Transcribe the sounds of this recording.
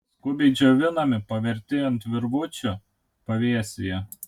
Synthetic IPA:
kʊbʲɛɪd͡ʒʲoːʋʲɪnɐmʲɪpɐʋʲɛɾʲt̪ʲɪjɛnt̪ʲʋʲɪɾʋʊt͡ʃʲʊ | pɐʋʲiɛsʲɪjɛ

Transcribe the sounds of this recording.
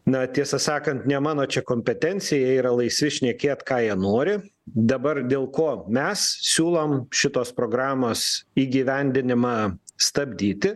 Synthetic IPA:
nɐt̪ʲiɛsɐsɑːkɐnt̪nʲɛmɑːnoːt͡ʃʲɛkoːmʲpʲɛt̪ʲɛnʲt͡s̪ʲɪjɛiːɾɐlˠɐɪsʲʋʲɪʃʲnʲiɛkʲeːt̪kɑːjiɛnoːɾʲɪ | d̪ɐbɐrd̪ʲeːlˠkoːmʲɛssʲuːlˠomʃʲɪt̪oːspɾoːɡɾɑːmoːsiːɡʲiːʋʲɛnʲd̪ʲɪnʲɪmɑːst̪ɐbʲd̪ʲiːt̪ʲɪ

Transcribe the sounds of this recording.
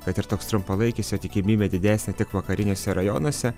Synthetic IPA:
kɐt̪ɪɾt̪oːkst̪ɾʊmpɐlˠɐɪkʲisʲjoːt̪ʲɪkʲɪmʲiːbʲed̪ʲɪd̪ʲæːsʲnʲɛt̪ʲɪkʋɐkɐɾʲɪnʲoːsʲɛɾɐjoːnoɔsʲɛ

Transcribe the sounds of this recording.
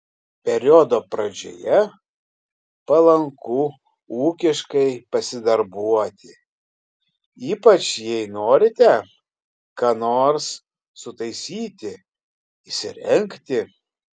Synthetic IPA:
pʲɛɾʲod̪oːpɾɐd͡ʒʲo̰jɛ | pɐlˠɐŋkuː | uːkʲɪʃkɐɪpɐsʲɪd̪ɐɾbuɔt̪ʲɪ | iːpɐt͡ʃjɛɪnoːɾʲɪt̪ʲɛ | kɑːnoːɾsː | ʊt̪ɐɪsʲiːt̪ʲɪ | ɪsʲɪɾʲɛŋʲkt̪ʲɪ

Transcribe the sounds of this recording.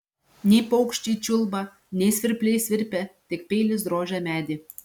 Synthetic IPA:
nʲepowkʃʲt͡ɕʲit͡ʃulˠbɑ | nʲesʲʋʲɪrʲpʲlʲejsʲʋʲɪrʲpʲæt̪ʲɪk̚pʲejlʲɪs̬d̪ɾoːʒʲæmʲæd̪ʲe

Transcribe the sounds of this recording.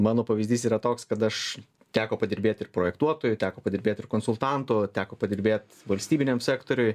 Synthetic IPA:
mɑːnoːpɐʋʲɪzʲdʲiːsiːɾɐt̪oːkskɐt̪ɐʃ | t̪ʲæːkoːpɐd̪ʲɪɾʲbʲeːt̪ʲɪrpɾoːjɛkt̪uɔt̪oːjʊt̪ʲæːkoːpɐdʲɪɾʲbʲeːt̪ʲɪrkoːnsʊlˠt̪ɑnt̪ʊt̪ʲæːkoːpɐd̪ʲɪɾʲbʲeːt̪ʲ | ʋɐlʲsʲt̪ʲiːbʲɪnʲɛmsʲæːkt̪oːɾʲʊj

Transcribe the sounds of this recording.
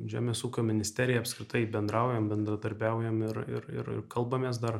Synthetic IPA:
ʒʲæ̰ːmʲeːsuːkʲomʲɪnʲɪsʲt̪ʲæːɾʲɪjɛɐpskɾʲɪt̪ɐɪbʲɛnd̪ɾɑˑʊjɛmbʲɛnd̪ɾɐd̪ɐɾʲbʲæʊjɛmɪɾɪ̰ɾɪ̰ɾɪ̰rkɐlˠbɐmʲeːs̬d̪ɐr

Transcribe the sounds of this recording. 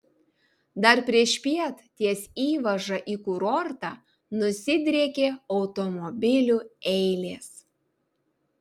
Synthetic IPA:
d̪ɐɾpʲɾʲiɛʃpʲiɛt̪t̪ʲiɛsiːʋɐʒɐʔiːkuɾɔɾt̪ɑː | nʊsʲɪd̪ʲɾʲeɛkʲeːɒʊt̪omɔbʲɪlʲuːɛɪlʲeːs

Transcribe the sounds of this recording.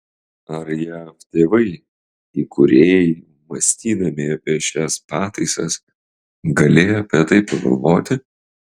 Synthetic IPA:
ɐɾjæːft̪ʲeːʋɐɪ | iːkʰʊɾʲeːj | mɐsʲt̪ʲiːd̪ɐmʲɪɐpʲiɛʃʲæspɑːt̪ɐɪsɐs | ɡɐlʲeːjɐpʲiːt̪ɐɪpːɐɡɐ̰lˠʋoːt̪ʲɪ

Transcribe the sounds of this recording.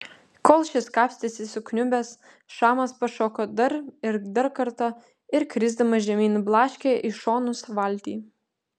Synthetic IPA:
kɔːlˠʃʲɪskɑːpʲsʲt̪ʲɪsʲɪsʊknʲʊbʲɛs | ʃɑːmɐspɐʃoːkoːd̪ɐɾɪɾd̪ɐɾkɐɾt̪ɐ | ɪɾkɾʲɪzd̪ɐmɐʒʲɛmʲiːnblˠɑːʃʲkʲeːʔiʃoːnʊsʋɐlʲt̪ʲiː

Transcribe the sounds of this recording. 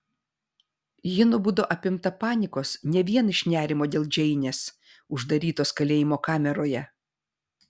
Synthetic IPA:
jɪnʊbʊd̪oːʔɐpʲɪmt̪ɐpɑːnʲɪkoːsnʲɛʋʲiɛnɪʃʲnʲæːɾʲɪmoːd̪ʲeːlˠd͡ʒʲɛɪnʲeːs | ʊʒd̪ɐɾʲiːt̪oːskɐlʲeːjɪmoːkɑːmʲɛɾoːjɛ

